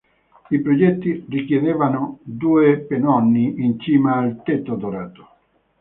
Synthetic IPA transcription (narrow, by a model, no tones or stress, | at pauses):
ipɾod͡ʒɛt̪ːirikjɛðɛvanʊd̪uːepenɔnːiint͡ʃiːmaːlt̪ɛt̪ːod̪oɾaːt̪o̥